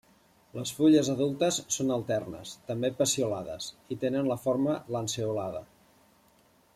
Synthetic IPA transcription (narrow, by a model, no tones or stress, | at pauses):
ləsfuʎəzəðulˠt̪əsːonəlˠt̪ɛrnə̰st̪əmbepəsiulaðə̰sit̪enənləfoɾmələnseulaðə̰